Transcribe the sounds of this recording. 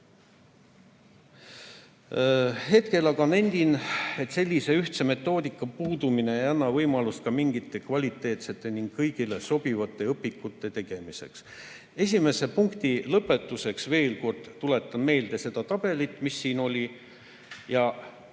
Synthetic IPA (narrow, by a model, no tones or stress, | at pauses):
he̞t̪ke̞lɑɡɑne̞nʲd̪̥ine̞t̪se̞lʲːise̞yht̪se̞me̞t̪ːo̞ːd̪ikːˑɑpuːd̪umine̞ejɑnːɑvɤjmɑlust̪̚kɑmiŋɡit̪ːˑe̞kvɑlʲit̪ˑːe̞ːt̪se̞t̪ːˑe̞niŋɡkːɤjɡ̥ile̞so̞b̥ivɑt̪ːˑe̞ɤpːikːˑut̪ːˑe̞t̪e̞ɡ̥e̞mise̞̰ks | e̞sʲime̞se̞puŋkt̪ilɤpːˑe̞t̪ːˑuse̞ksve̞ːlko̞rd̪̥t̪ːule̞t̪ːˑɑnme̞ːld̪e̞se̞d̪̥ɑt̪ɑb̥e̞lit̪ːˑmisːiːno̞lʲi | jɑ